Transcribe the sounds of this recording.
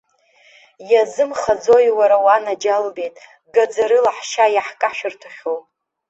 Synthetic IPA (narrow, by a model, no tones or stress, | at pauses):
jazɨmχad͡zo̞jwaɾawanad͡ʒalbe̞jtʼ | ɡad͡zaɾɨlaħʃajaħkʼaħʃᶣɨrtʰaχʲow